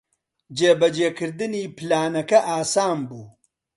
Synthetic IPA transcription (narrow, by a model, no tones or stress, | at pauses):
d͡ʒeːbɐd͡ʒeːkʰɨɾd̪ɨniːpɨlaːnɐkɐʔaːsaːmbuː